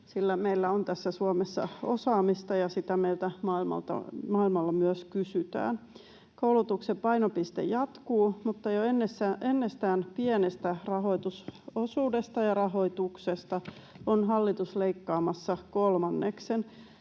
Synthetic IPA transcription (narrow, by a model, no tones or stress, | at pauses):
silːæmeilːæont̪æsːæsuomesːɑ̰osɑːmist̪ɑjɑsit̪æmeilt̪æmɑilmɑ̰lt̪ɑ̰mɑilmɑlːɑmyøskysyt̪æ̰ːn | koulut̪uksepɑinopist̪ḛjɑt̪kuːmut̪ːɑjoenːesːæʔenːest̪æːnpienest̪ærɑɦo̞it̪usosuːde̞st̪ɑjɑrɑɦo̞it̪uksest̪ɑ | onɦɑlːit̪usleikːɑːmɑsːɑkolmɑnːeksen